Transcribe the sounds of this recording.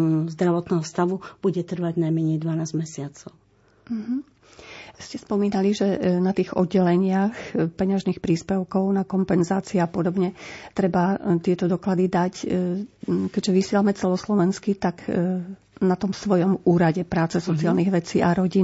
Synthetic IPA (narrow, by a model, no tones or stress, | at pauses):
zd̪ɾaʋɔt̪nɛːɦɔst̪aʋub̥uɟɛt̪r̩ʋaɟnajmɛɲɛjd̪ʋanaːzɟmɛsɪat͡sɔʊ | m̩ɦ̩ | scɛspɔmiːnaliʒɛnat̪iːɣɔ̰d̪ɟːɛlɛɲɪaxpɛɲaʒnixpɾiːspɛʊkɔʊnakɔmpɛnzaːt͡siɛapɔd̪ɔbɲɛt̪ɾɛbat̪ɪɛt̪ɔd̪ɔklad̪id̪ac | kɛɟʒɛʋisɪɛlamɛt͡sɛlɔslɔʋɛnskit̪ak | nat̪ɔmsʋɔjɔmuːɾaɟɛpɾaːt͡sɛsɔt͡sialniɣʋɛt͡siːʔaɾɔɟi